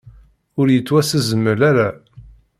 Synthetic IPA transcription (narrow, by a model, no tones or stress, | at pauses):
ʊɾjət͡sːwæsəzəmːəlæɾæ